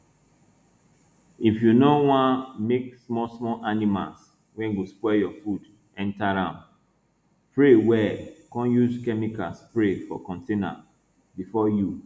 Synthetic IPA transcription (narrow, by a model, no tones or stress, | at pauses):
ifjunowãnmeksmɔsmɔlʔanima̰ls | wɛ̃nɡospwɛjɔfud | ɛ̃ntaɹãn | pɹewɛkɔ̃njuzkɛmika̰spɹefɔ̰kɔ̃ntena̰ | bifɔju